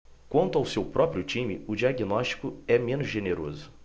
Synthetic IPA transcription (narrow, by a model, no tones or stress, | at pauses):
kwɐ̃nt̪ʊawsewpɾɔpɾiʊt͡ʃĩmɪʊd͡ʒiaɡinɔʃt͡ʃi̥kʊɛmẽnʊzʒeneɾo̰zʊ